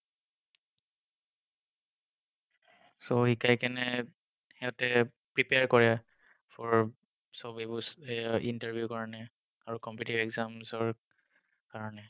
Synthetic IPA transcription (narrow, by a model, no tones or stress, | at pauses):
sɔhikajkɛnɛ | hɛʊtɛ | pɹipeaɹkɔɹɛ | fʰɔɹ | sɔbibusintaɹbʱjukɔɹanɛ | aɹukɔmputibɛkzamzɔɹ | kaɹɔnɛ